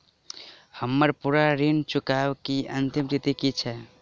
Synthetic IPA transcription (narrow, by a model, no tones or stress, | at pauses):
həmːəɾpuɾaɾint͡ʃʊkawkiʔə̰nt̪imɾit̪ikit͡ʃʰɛ